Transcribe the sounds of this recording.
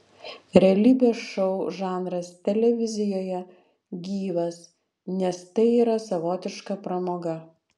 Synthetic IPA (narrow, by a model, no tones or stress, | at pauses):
ɾʲɛɐlʲiːbʲeːʃɔʊʒɑːnɾɐst̪ʲɛlʲɛʋʲɪzʲɪjoːjɛ | ɡʲiːʋɐs | nʲɛst̪ɐɪiːɾɐsɐʋoːt̪ʲɪʃkɐpɾɐmoːɡɐ